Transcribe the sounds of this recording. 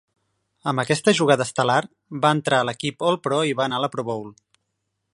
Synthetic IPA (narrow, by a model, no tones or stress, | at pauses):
əmbəkɛst̪əʒuɣaðəst̪əlar | baənt̪ɾaələkipolˠpɾɔiβaənaləpɾoβowl